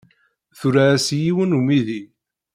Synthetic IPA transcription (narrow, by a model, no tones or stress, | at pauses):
θuɾaæsjiwənumiði